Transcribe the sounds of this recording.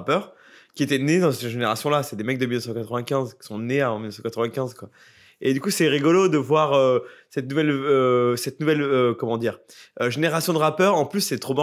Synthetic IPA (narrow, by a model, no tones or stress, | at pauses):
pœʁ | kʲiet̪ɛned̪ɑ̃səʒeneʁasjɔ̃laseɛd̪emɛk̚d̪əmilnəfsɑ̃kat̪χəvɛ̃kʲɛ̃zkʲi̥sɔ̃neavɑ̃milnəsɑ̃kat̪χəvɛ̃kʲɛ̃zkwa | ed̪ykusɛʁiɡɔlod̪əvwaʁøsɛt̪nuvɛløsɛt̪nuvɛløkɔmɑ̃d̪iːʁ | øʒeneʁasjɔ̃d̪əʁapœʁɑ̃plysːɛt̪χobã